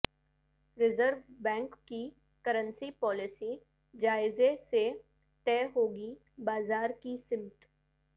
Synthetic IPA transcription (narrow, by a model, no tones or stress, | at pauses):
ɾɪzəɾʋbɛ̃ːŋkːi | kəɾə̃nsipɔːlɪsi | d͡ʒaːɪzese | t̪ɛːɦoːɡi | baːzaːɾkisɪmt̪